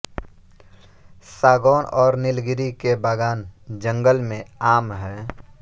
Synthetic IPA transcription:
saːɡɔːnɔːɾnɪlɡɪɾikebaːɡaːnd͡ʒə̃ŋɡəlmẽaːmɦɛ̃ː

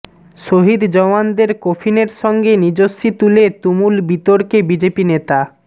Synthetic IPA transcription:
ʃoɦid̪d͡ʑɔmand̪eɾkofʰineɾʃɔŋɡenid͡ʑoʃit̪ulet̪umulbit̪oɾkebid͡ʑepinet̪a

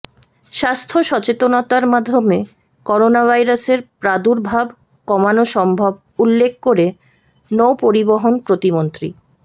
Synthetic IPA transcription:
ʃast̪ʰoʃɔt͡ɕet̪onat̪aɾmad̪ʱːome | kɔɾonabʱajɾaseɾpɾad̪uɾbʱab | kɔmanoʃɔmbʱob | ulːek̚ʰkoɾe | nowpoɾiboɦonpɾot̪imont̪ɾḭ

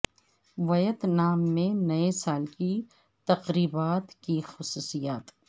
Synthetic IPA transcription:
ʋɐjət̪naːmːẽnɐesaːlki | t̪ɐqɾiːbaːt̪kixʊsuːsijaːt̪

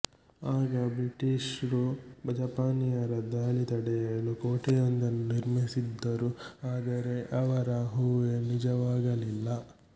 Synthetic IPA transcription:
aːɡɐbɾiʈiʂɾubɐd͡ʒɐpaːnijɐɾɐd̪aːɭit̪ɐɽɛjɐɭukoːʈɛjond̪ɐnːuniɾmisid̪ːɐɾuaːd̪ɐɾe̞ʔɐʋɐɾɐɦuːʋenid͡ʒɐʋaːɡɐlilːɐ

